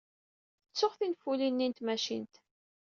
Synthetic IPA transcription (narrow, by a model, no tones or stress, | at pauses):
θət͡sːʊχθinfulinːint̪mæʃḭnt̪